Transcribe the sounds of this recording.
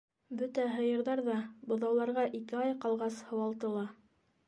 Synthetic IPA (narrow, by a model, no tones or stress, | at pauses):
bɵt̪æɦɤ̆jɤ̆ɾðɑɾðɑbɤ̆ðɑwlˠɑɾʁɑʔikɘɑjqɑlˠʁɑshɤ̆wɑlˠt̪ɤ̆lˠɑ